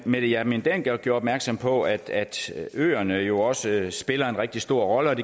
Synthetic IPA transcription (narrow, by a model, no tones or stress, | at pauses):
med̥jæmend̥enɡ̥ɑɡ̥joɐɒb̥̚mæɐɡ̥sɒ̽mpʰɒ̽æd̥æd̥ø̰ːɐnəjo̝ɒ̽səsb̥e̝lɐe̝nʁɛɡ̥̚d̥isd̥o̝ɐ̰ʁɒ̽ləɒ̽d̥e̝